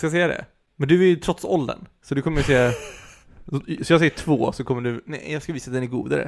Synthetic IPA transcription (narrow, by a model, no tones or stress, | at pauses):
skajs̬ɛjːad̪ɛ̰ | mɛnd̪ɵæɾjt̪ʰɾɔt̪sɔld̪ə̰nsɔd̪ɵkʰɔmːəjseː | sɔjɑːɡsɛjːəʈʰvoːsɔkʰɔmːəɖʉnɛɪjɑːɡskaviːsat̪̚d̪ɛnæɾɡṵːd̪a̰ɾə̰